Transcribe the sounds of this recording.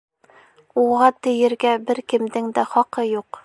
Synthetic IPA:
uʁɑt̪ɘ̆jɘ̆ɾɡæbɘɾkɘ̆md̪ɘŋd̪æχɒqɤjuq

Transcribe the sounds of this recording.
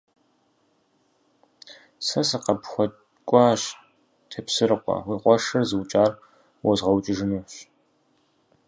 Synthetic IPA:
sɐsɐqɐpxʷɔt | kʷʼɑɕ | tʰɐpsɨrɨqʷʼɔ̰wiːqʷʼɔʂɐrzɨwt͡ʃʼaːr | wɔzʁɐwt͡ʃʼɪʒɪnuːɕ

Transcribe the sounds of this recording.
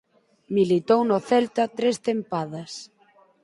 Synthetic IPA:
milit̪ownoθɛlt̪ɐt̪ɾest̪empaðɐs

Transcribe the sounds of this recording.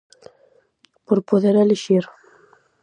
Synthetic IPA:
poɾpoðeɾeleʃiɾ

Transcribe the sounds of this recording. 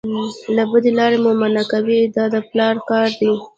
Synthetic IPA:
labəd̪elɑɾemomanakawid̪ɑd̪əplɑɾkɑɾd̪i

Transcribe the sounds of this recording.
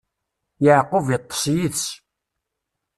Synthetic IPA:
jəʕqʊvjət̪ˤːə̥sjiθs

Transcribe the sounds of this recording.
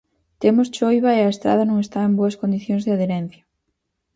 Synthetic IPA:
t̪emost͡ʃojβɐeɐest̪ɾa̰ð̞ɐnõŋest̪aemboɐskond̪iθjoŋzðeaðeɾɛn̟θjɐ

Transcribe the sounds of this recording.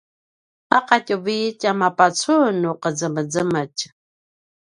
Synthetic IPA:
aqacʼəviːcamapat͡sʰunuqəd͡zəməd͡zəməc

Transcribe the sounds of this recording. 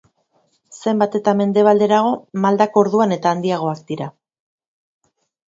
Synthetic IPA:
se̞mbat̪e̞t̪ame̞nd̪e̞β̞ald̪e̞ɾaɣ̞o̞mald̪ako̞ɾðuane̞t̪aːnd̪iaɣ̞o̞akd̪iɾa

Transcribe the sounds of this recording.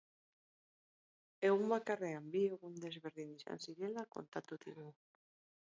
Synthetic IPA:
eumbakareambieɣund̪ezβeɾðinisa̰nsiɾelako̰nt̪at̪ut̪iɣu

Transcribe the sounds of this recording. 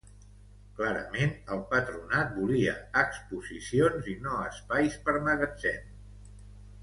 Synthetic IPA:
klaɾə̰menəlˠpət̪ɾunat̪̚buliə̰əkspuzisionzinoəspajspəɾməɣəd͡ʒɛ̰n

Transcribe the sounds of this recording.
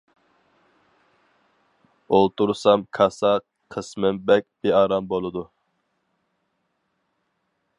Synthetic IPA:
olˠt̪uɾsɑmkʰɑsɑ | qʰəsmɨmbɛk̚ʲb̥eɑːɾɑmbolˠɨd̪u

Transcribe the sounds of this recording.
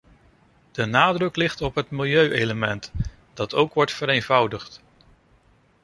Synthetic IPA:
d̥ənaːdrɵklɪχtɔpɦətmɪlˠjøɥʔejləmɛnt | d̥ɑtowkʋɔɹtfəɾejnvʌwdəχt

